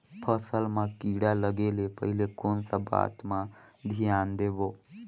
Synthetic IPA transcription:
pʰəsəlmãkiːɽaləɡeːlepəɦɪlekoːnsaba̰ːt̪mãd̪ʱijaːnd̪eːboː

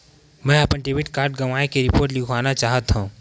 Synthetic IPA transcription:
mɛ̃ːɐpənʈebɪʈkaːɾɖ̚ɡɐʋaːekeɾɪpoːɾʈlɪkʰʋaːnat͡ʃaːɦət̪ɦũ

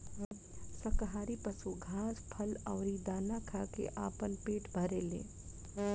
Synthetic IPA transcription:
sɐkɦaːɾipɐsuɡʱaːspʰɐlɔːɾid̪aːnakʰaːkḛʔaːpənpeːʈbʱɐɾeːlḛː

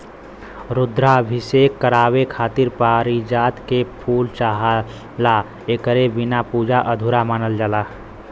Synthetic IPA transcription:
ɾʊd̪ɾabʱisekːəɾaːwekʰaːt̪iɾpaːɾid͡ʒaːt̪kepʰuːlt͡ʃaɦ | la | ekəɾebɪnapuːd͡ʒaʔəd̪ʱuɾamaːnəld͡ʒala

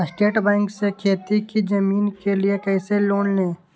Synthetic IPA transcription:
sʈeːʈbɛ̃ːŋksekʰeːt̪ikid͡ʒɐmiːnkeliekɛːseloːnnẽː

